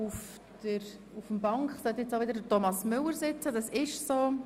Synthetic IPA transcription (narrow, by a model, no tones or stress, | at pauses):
uf | d̥əɾ | ufəmbɑŋkχsɛtjɛt͡saʊʋɪdəɾdətɔmɑsmʏləɾsɪt͡sədɑsɪʃsoː